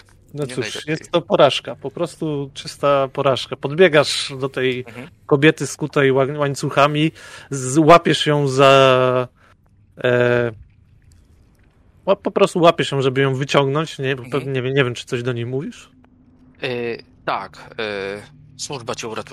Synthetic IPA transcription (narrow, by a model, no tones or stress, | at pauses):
nɔt̪suʂjɛst̪t̪ːɔpɔɾaʂkapɔpɾɔst̪ut͡ʂɘst̪apɔɾaʂkapɔd̪bʲjɛɡaʂd̪ɔt̪ɛjkɔbʲjɛt̪ɘskut̪ajwawaɲʲt̪suxamʲi | wapʲɛʂjɔ̃w̃za | wapɔpɾɔst̪uwapʲɛʂjɔ̃w̃ʐɛbɘjɔ̃w̃vɘt͡ɕɔ̃ŋɡnɔ̃ɲt͡ɕɲɛpɛvɲɛvʲɛmɲɛvʲjɛmt͡ʂɘ̥t̪sɔʑd̪ɔɲejmuvʲiʂ | t̪ak | swuʐbat͡ɕɛuɾat̪